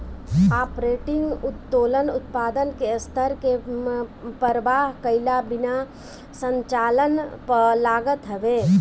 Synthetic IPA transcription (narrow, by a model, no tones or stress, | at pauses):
aːpɾeːʈɪ̃ŋɡʊt̪ːoːlənʊt̪paːd̪ənkest̪ʰəɾke | pəɾəʋaːɦkəɪlabɪna | sə̃ɲt͡ʃaːlənpəlaːɡət̪ɦəʋeː